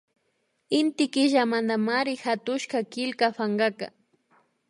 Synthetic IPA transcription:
ɪnt̪ɪkɪʒamand̪amaɾɪxat̪ʊʃkakɪlkafaŋɢaka̰

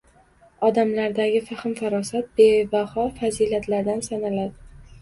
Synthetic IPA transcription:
ɒd̪amlaɾd̪aɡʲɪfaχɪmfaɾɒsat̪̚b̥ebahɒfazilat̪ʰlaɾd̪ansanalad̪ɪ

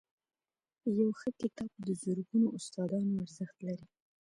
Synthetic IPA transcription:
jawxəkɪt̪ɑb̚d̪əzʊɾɡunoʔʊst̪ɑd̪ɑnoaɾzəxt̪laɾi

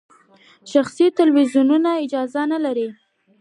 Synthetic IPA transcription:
ʃaxsit̪ɪlwizjununaɪd͡ʒɑzanalaɾi

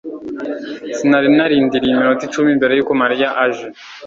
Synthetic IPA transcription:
sinaɾinaɾiːndiɾiimiɾotit͡ʃumimbeɾejukomaɾijaʔaʒe

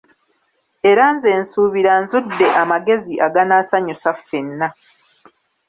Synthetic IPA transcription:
e̞ɾaːnze̞ːnsuːβiɾanzudːe̞ʔamaɡe̞ziʔaɡanaːsaɲusafe̞nːa

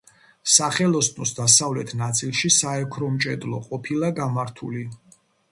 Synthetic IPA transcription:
saχɛlˠɔsʼnɔsd̪asavlɛt̪ʰnat̪sʼilˠʃisaɛkʰɾɔmt͡ʃʼɛd̪lˠɔqʼɔpʰilˠaɡamaɾt̪ʰuli

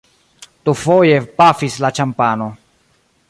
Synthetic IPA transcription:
tufoje̞pafislat͡ʃampano̞

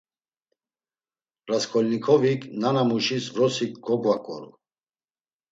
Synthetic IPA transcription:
ɾaskʰɔlnikʰɔvikʼnanamuʃisvɾɔsikɡɔɡvakʼɔ̰ɾṵ

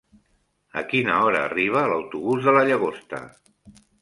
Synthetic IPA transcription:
əkinəɔɾəːriβ̞əːləwt̪uβuzðələʎəɣ̞ost̪ə̰

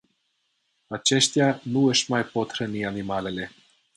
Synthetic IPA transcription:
at͡ʃe̞ʃt̪eanuəʃmajpo̞t̪ɾənianimale̞le̞

